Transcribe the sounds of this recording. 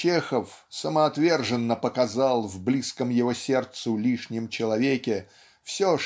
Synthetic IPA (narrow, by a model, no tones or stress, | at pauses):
t͡ɕexəfsəməɐt̪vʲe̞rʐɨnːəpəkɐzalˠvblʲiskəmjɪvosʲe̞rt̪sʊlʲiʂnʲɪmt͡ɕɪlˠɐvʲekʲɪ | fsʲo